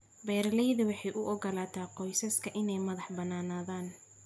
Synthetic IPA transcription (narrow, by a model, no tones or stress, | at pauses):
bɛːɾɐlɛjðɐwɑħɑjʔʊʔɔɡɐlaːt̪ʰaːqɔjsɐskʰɐʔɪnɛjmɐðɑħbɐnaːnaːðaːn